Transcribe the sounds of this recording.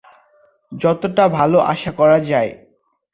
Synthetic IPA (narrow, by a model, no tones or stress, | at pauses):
d͡ʑɔt̪oʈabʱaloʔa̰ʃakɔɾad͡ʑae